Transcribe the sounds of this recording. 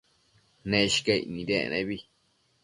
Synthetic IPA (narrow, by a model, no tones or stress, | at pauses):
nẽʃi̥keḭnĩɾḛnḛ̃βi